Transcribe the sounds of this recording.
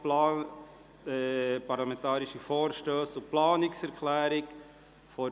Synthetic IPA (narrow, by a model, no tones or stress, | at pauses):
pɑɾlamɛ̃ntɑːɾiʃifoːɾʃtøːsʊplɑːnɪksɛɾkʰlæːɾɪk | fɔ